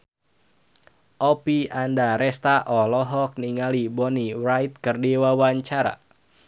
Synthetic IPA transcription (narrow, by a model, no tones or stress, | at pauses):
ʔɔpiandaɾɛst̪aʔɔlɔɦɔk̚niŋalibɔnirajt̪̚kɨrdiwawaɲt͡ʃaɾa̰